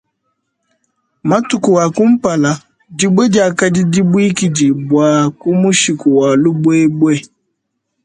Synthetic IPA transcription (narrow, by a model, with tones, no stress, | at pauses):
ma˦tʊ˨kʊ˨wa˨kʊ˦m̩˦pa˨la˨ | di˦ɡ͡be˦d͡ʒɪ˨˦a˨ka˦dɪ˦di˦bu˦i˦ki˨d͡ʒi˨bwaː˨kʊ˦mʊ˦ʃi˨kʊ˨wa˨lu˦bʊ˦e˦ɡ͡bʷe˦